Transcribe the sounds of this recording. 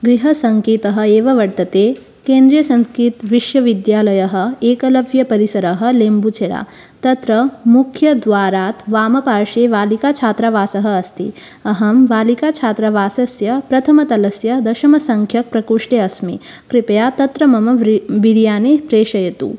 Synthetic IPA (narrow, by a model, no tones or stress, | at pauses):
ɡɾiɦɐsɐŋkiːt̪ɐɦɐ̆eːʋɐʋɐɽt̪ɐt̪eː | keːnd̪ɾijɐsɐ̃nskiːt̪ʋiʃjɐʋid̪jaːlɐjɐɦɐ̆eːkɐlɐʋjɐpɐɾisɐɾɐɦɐ̆leːmbut͡ʃʰeɽa̰ | t̪ɐt̪ɾɐmukʰjɐd̪ʋaːɾaːt̪ʋaːmɐpaːɾʂeʋaːlikat͡ʃʰaːt̪ɾaʋaːsɐɦɐ̆ɐst̪ḭ | ɐɦɐmʋaːlikat͡ʃʰaːt̪ɾaʋaːsɐsjɐpɾɐt̪ʰɐmɐt̪ɐlɐsjɐd̪ɐʃɐmɐsɐŋkʰjɐk̚pɾɐkuːʂʈeɐsmḭ | kɾipɐjaːt̪ɐt̪ɾɐmɐmɐʋʋiɽijaːneːpɾeːʃɐjɐt̪ṵː